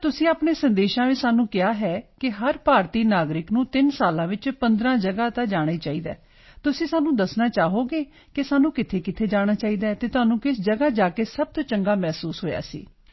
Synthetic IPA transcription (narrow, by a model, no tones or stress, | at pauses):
t̪ʊsĩːaːpɳeːsənd̪eːʃãːʋisaːnũːkɪaːɦɛːkɪɦəɾpaːɾt̪iːnaːɡɾɪknũːt̪ɪnsaːlãːʋɪt͡ʃpə̃nd̪ɾãːd͡ʒəɡaːt̪ad͡ʒaːɽ̃aiːt͡ʃaːiːd̪a̰ː | t̪ʊsĩːsaːnũːd̪əsnaːt͡ʃaːɦoːɡeː | kɪsaːnũːkɪt̪ʰeːkɪt̪ʰeːd͡ʒaːɽ̃aːt͡ʃaːiːd̪aːt̪eːt̪ʊaːnũːkɪsd͡ʒəɡaːd͡ʒaːkeːsəb̚t̪oːt͡ʃəŋɡaːmɛːsuːsɦoːja̰ːsḭː